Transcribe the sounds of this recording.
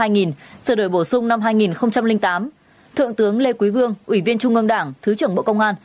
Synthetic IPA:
aː˧jŋi˨˩nsəː˧˩ɗo˧˩jɓo˧˩sʊ˧ŋ͡mna˧mɦaː˧jŋi˨˩nxə˧wŋ͡mt͡ɕa˧mlï˧ŋt̪aː˨˦m | t̪ʰɨ̰˧˨əŋt̪ɨ˨˦əŋle˧kwi˨˦jvɨ˧əŋʔwi˧˩vi˧ənt͡ɕʊ˧ŋ͡mʔə˧ŋɗaː˧˩ŋt̪ʰɨ˨˦t͡ɕɨ˧˩əŋɓo̰˧˨kə˧wŋ͡mʔaː˧n

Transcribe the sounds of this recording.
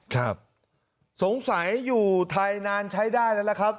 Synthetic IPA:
kʰa˦˥˩p̚ | so˩˦ŋsa˩˦jjuː˨˩t̪ʰaː˧jnaː˧nt͡ɕʰa˦˥jdaː˥˩jna˦˥la˧˥kʰɾa˦˥p̚

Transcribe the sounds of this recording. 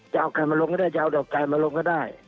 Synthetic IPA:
jaː˧˩˨wkaː˨˩jma˧lo˧ŋkɔː˥˩daː˥˩jt͡ɕaː˧wdɔ˨˩wkaː˨˩jmaː˧lo˧ŋkɔː˥˧˩daː˥˩j

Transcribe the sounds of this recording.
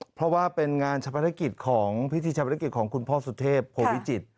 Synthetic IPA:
pʰɔ˦˥waː˥˩pe˧nŋaː˧nt͡ɕʰa˧pʰa˧ɾʰa˦˥ki˨˩t̪̚kʰɔː˩˦ŋpʰi˦˥t̪ʰiː˧t͡ɕʰa˧pa˧ɾʰa˦˥ki˨˩t̪̚kʰɔː˩˦ŋkʰu˧npʰɔː˥˩su˨˧˩t̪ʰeː˥˩pʰːoː˧wi˦˥t͡ɕi˨˩t̪̚

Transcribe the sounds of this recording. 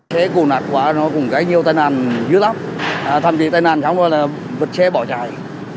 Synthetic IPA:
t͡ɕɛ˨˦ku˨˩naː˨˩t̚kwaː˨˦nɔ˨˦kʊ˨˩ŋ͡mɣaː˨˦jɲi˨˩əwt̪aː˧jnaː˨˩nzɨ̰˨˦əlaː˦˥p̚ʔt̪ʰaː˧mkḭ˧˨t̪aː˧jnaː˨˩nt͡ɕa˨˦ŋ͡mɔ˨˧˦jlaː˨˩ | və˨˩t̚t͡ɕɛ˨˦ɓɔ˧˩t͡ɕaː˨˩j

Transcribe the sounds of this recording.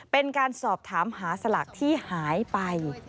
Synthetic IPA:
pe˧nkaː˧nsɔː˨˩p̚t̪ʰaː˩˦mhaː˩˦sa˧la̰˨˩k̚t̪ʰiː˥˩haː˩˦jpa˧j

